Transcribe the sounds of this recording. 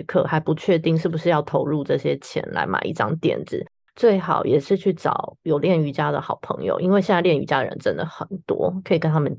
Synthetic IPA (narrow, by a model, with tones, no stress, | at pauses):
kʰɤ̰˥˩xa˧˥ɪpu˧t͡ɕʰɥɛ˥˧t̪i˥˧ŋʂ̬ɻ̩˥˩bu˩ʂɻ̩˥˧jɑ˥˩ʊt̪ʰo˧˥ʊɻu˥˧ʈ͡ʂɤ˥˩ɕjɛ˥t͡ɕʰjɛ̰˧˥nla̰˧˥ɪma̰˨˩ɪʔḭ˥˩ʈ͡ʂɑ˥ŋt̪jɛ̰˨˩nt͡sɹ̩̰˨˩˦ | t͡swe˥˩ɪxɑ˨˩ʊjɛ˨˩ʂɻ̩˥˧t͡ɕʰy˥˩ʈ͡ʂɑ̰˨˩˦ʊjo˨ʊljɛ˥˩ny˧˥t͡ɕja˥d̪ə˨xɑ˨˩ʊpʰɤ̰˧˥ŋjo̰˨˧ʊʔḭ˥nwe˥˧ɪɕjnt͡sljɛ˥˩ny̰˧˥t͡ɕja˥də˨˩ɻə̰˧nʈ͡ʂə˦˥nd̪ə˨˩xə˨˩nt̪wɔ̰˥kʰə˧˥i˨˩kə˥nt̪ʰa˥mə˨n